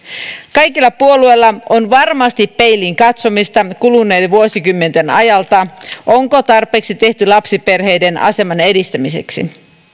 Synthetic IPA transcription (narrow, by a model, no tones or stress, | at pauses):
kɑjkilːɑpuo̞lue̞jlːɑonʋɑrmɑst̪ipːe̞jlːiŋkɑt̪so̞mist̪ɑkulunːeːlʋuosikymːe̞nt̪e̞nɑ̰jɑlt̪ɑʔoŋko̞t̪ɑrpe̞ːksit̪e̞ht̪ylɑpsipe̞rɦe̞jde̞nɑ̰se̞mɑne̞dist̪æmise̞̰ksḭ